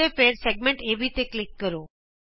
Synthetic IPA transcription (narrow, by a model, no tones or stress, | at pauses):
epeɾseɡ̚mẽɳʈebʱit̪eklɪkːəɾo